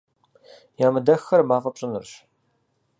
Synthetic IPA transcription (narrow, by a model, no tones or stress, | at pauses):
jaːmɨdɐxɐrmaːfʼɐpɕʼɨnɨrɕ